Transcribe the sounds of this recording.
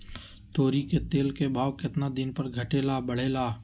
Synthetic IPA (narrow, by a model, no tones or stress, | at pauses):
t̪oːɾiket̪eːlkebʱaːʋkɪt̪nad̪ɪnpəɾɡʱɐʈeːlaːbəɽ̤eːlaː